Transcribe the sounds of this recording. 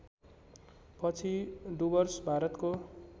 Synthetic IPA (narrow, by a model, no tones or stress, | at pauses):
pʌt͡sʰiɖubʌrsbʱaɾʌt̪ko